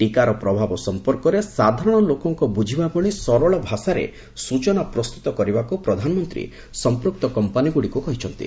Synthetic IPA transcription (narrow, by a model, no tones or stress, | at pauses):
ʈikaɾɔpɾɔbʱabɔsɔmpɔɾkɔɾesad̪ʱaɾɔɽ̃ɔlokɔŋkɔbud͡ʒʱibabɔɭisɔɾɔɭɔbʱasaɾḛ | sut͡ʃɔnapɾɔst̪u̥t̪ɔkɔɾibakupɾɔd̪ʱanɔmɔnt̪ɾḭ | sɔmpɾuk̚t̪ɔkɔmpaniɡuɽikukɔɦit͡ʃʰɔnt̪ḭ